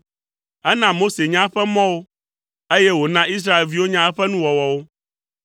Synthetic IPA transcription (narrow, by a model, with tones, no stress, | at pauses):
ɛ˦nã˦mo˦se˨ɲã˦ɸɛ˦mɔ̃˦wo˦ | e˦jɛ˦wo˨nã˦i˦s̬ɾa˦e˨lvi˦wo˦ɲã˦ɛ˦ɸɛ˦nũ˦wɔ˨wɔ˨wo˦